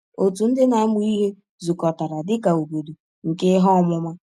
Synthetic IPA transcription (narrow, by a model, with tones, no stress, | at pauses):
o˨tu˨n̩˦dɪ˦na˨˦mʊ˦i˦ɦe˦ | zu˨kɔ˨ta˨ɾa˨dɪ˦ka˨u˨bo˨du˨ | ŋ̩˨ke˦ɦɔ˦˨mʊ˦ma˦